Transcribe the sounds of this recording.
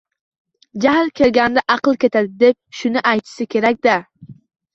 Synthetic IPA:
d͡ʒahlkʲʰe̞lɡʲand̪aʔɑqɨlˠkʲe̞t̪ad̪ɪd̪e̞p̚ʃʊnɪʔajt̪ʰɪ̥sɪkʲʰe̞ɾakʲd̪a

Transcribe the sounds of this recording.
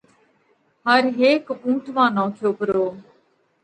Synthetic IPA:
həɾɦeːkũːʈʰʋãːnɔ̃ːkʰjoːpəɾoː

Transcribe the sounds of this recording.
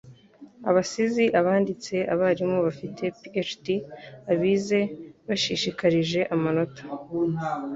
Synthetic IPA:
a̰βasiziʔaβaːndit͡se̞ʔaβaɾimo̞βafitʰe̞piet͡ʃtiaβiːze̞βaʃiʃikaɾiʒe̞ʔamano̞tʰḁ

